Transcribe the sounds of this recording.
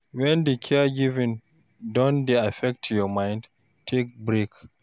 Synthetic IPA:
wɛ̃ndekʰɛɡivĩn | dɔ̃ndeafɛk̚tʰjɔmãj̃nd | tʰek̚bɹek

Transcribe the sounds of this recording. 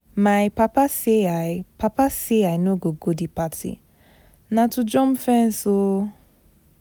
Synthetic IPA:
maɪpapaseapapaseajnoɡoɡodipatʰḭ | natʊd͡ʒɔm̩fɛn̩so

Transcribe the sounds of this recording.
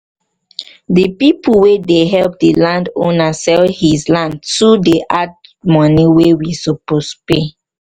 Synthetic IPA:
dəpipulwedeɦɛlp̚dəlãndonasɛlhislãndtudeʔad̚mɔniwewisopospe

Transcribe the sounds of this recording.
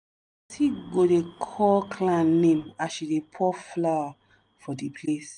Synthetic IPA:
tʰiɡodekʰɔkʰlãnẽmaʃidepʰɔflaa | fɔdepʰles

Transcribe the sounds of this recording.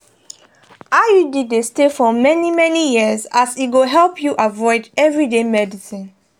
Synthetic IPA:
ajudidestefɔmɛnimɛnijiəzasiɡoɦɛlpʰjuʔavɔɪdɛvɹidemɛdisĩn

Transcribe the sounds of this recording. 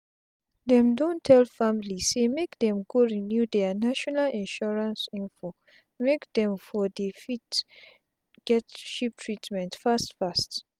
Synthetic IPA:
dɛ̃mdõntʰɛlfamlisemekd̪ɛ̃mɡoɹinjud̪ɛnaʃɔnalĩnʃɔɹãnsĩnfo | mekd̪ɛ̃mfɔdefit | ɡ̥ɛtʃip̚tʰɹitmɛ̃ntfastfast

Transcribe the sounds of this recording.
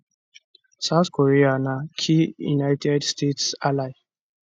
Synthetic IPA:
saʊθkoɾianakʰijṵnajtʰɛdstetsalaɪ

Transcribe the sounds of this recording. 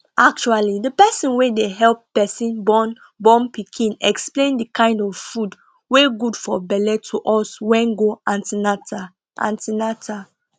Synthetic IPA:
ʔak̚t͡ʃualidəpɛsĩnwedeɦɛlp̚ːɛsĩnbɔn | bɔ̃mpikʰĩnɛksplẽndəkãɪ̃ndɔvfud | weɡudfɔbɛlɛtʰuʔɔswɛ̃nɡoãntinata | ʔã̰ntinatʰa

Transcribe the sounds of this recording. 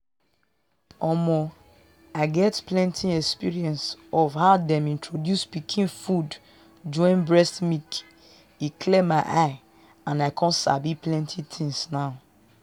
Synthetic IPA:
ɔmɔ | aɪɡɛtplɛ̃ntʰiɛkspiɹiɛ̃nsɔvhaʊdɛ̃mĩntʰɹodjuspikʰĩnfud | d͡ʒɔ̃ĩnbɹɛstmik | ikʰlɛmaɪʔaɪ | ãnaɪkʰɔ̃nsa̰biplɛ̃ntʰitʰĩŋsnaʊ

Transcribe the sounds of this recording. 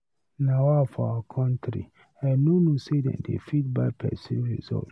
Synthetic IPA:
nawafɔa̰wakʰɔ̃ntɾḭ | anonosedɛ̰̃ndḛfit̚baɪpʰɛ̰sĩɹḭzɔ̰t

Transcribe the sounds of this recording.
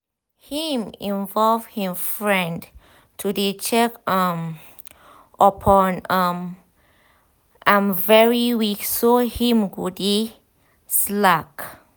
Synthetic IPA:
hĩmĩnvɔlvhĩmfɹɛ̃nd | tʰudet͡ʃɛkʌm | əpʰɔ̃nʌm | ʔãnvɛɹiwiksohĩmɡudi | slak

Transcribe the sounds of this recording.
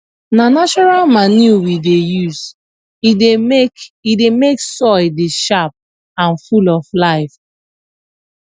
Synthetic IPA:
nanat͡ʃɔɹalmanuwidejuz | iekidemeksɔdeʃap̚ | ãnfulɔflaɪf

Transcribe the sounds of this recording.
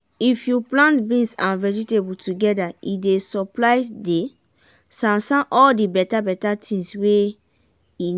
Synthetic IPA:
ifjuplãntbĩnsãnvɛd͡ʒitebultuɡɛdaidesɔplaɪde | sãnsãnʔɔldibɛtabɛtatʰĩŋswe | i

